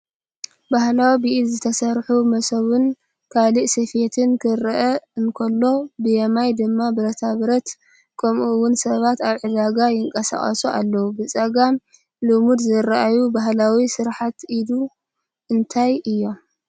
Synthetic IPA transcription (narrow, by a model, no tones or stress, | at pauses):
bahlawibiʔilzɨt̪ʰɐsɐɾħumɐsɐβɨn | kʰaliʔsɐfet̪ʰɨnkʰɨɾʔɐɨnkʰɐlːo̞bɨjɐmajd̪ɨmːabɨɾɐt̪ʰaβɾɐt̪ | kʰɐmʔuwʊnsɐβat̪aβʕɨd̪aɡajɪŋkʼɐsa̰χʼɐ̰sua̰lːɐwubɨt͡sʼɐɡam | lɨmud̪zɨɾaʔajubaɦlawisɨɾħat̪id̪u | ʔɨnt̪ʰajɨjːo̞m